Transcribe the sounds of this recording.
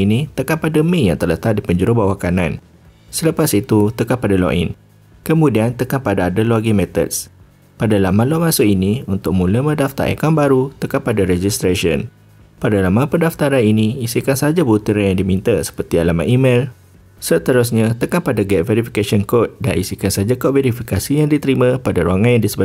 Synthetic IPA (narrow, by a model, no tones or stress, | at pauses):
init̪əkanpadəmĩjaŋt̪ərlət̪aʔ̚dipəɲd͡ʒuɾobawakanãn | sələpasit̪ut̪əkapadalo̰ʔḭn | kəmũdiant̪əkanpadaːdaloɡimɛt̪ə̰t̚s | padalamãlamãsoiniunt̪ʊk̚mũləmə̃daft̪a̰ɾʔɛ̰kɔnbaɾut̪əkapadaɾɛd͡ʒist̪ɾaʃiə̰n | padalamãpəndaft̪aɾaniniisikansad͡ʒabut̪iɾanjaŋdimĩnt̪asə̥pərt̪ialamã̰ʔimel | sət̪əɾʊs̬ɲãt̪əkanpadaɡɛt̪̚vɛɾifikasiɔnkot̪̚da̰nʔḭsikansad͡ʒakoʔ̚vɛɾifikasijaŋdit̪əɾimãpadaɾuaŋanjaŋdisəba